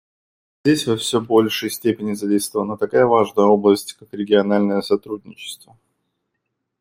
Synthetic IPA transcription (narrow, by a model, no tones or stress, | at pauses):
zʲdʲesʲvəfsʲɵbo̞lʲʂɨjsʲtʲepʲɪnʲɪzɐdʲejst̪vəvənət̪ɐkajəvaʐnəjəo̞blˠəsʲtʲkakɾʲɪɡʲɪɐnalʲnəjəsɐt̪ɾudʲnʲɪt͡ɕɪ̥st̪və